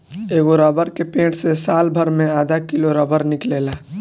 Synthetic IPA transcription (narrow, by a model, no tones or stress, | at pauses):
eːɡoɾəbəɾkepẽːʈsesaːlbʱəɾmẽaːd̪ʱakɪloɾəbəɾnɪkleːlaː